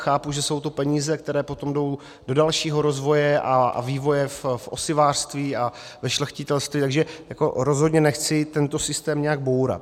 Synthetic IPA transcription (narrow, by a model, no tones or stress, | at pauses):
xaːpuʒɛso̞wt̪opɛɲiːzɛkt̪ɛɾɛːpo̞t̪o̞mdo̞w | do̞dalʃiːɦo̞ɾo̞zvo̞jɛʔaa̰viːvo̞jɛffʔo̞̰sɪvaːr̥st̪viːavɛʃlxcɪt̪ɛlst̪viːt̪aɡʒɛjako̞ɾo̞zɦo̞dɲɛnɛxt͡sɪt̪ɛnt̪o̞sɪst̪ɛːmɲɛaɡ̚bo̞wɾa̰t̪